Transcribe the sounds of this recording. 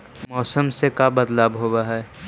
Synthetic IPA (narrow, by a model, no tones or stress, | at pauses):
mɔːsəmsekabəd̪laːbɦoːbaɦɛ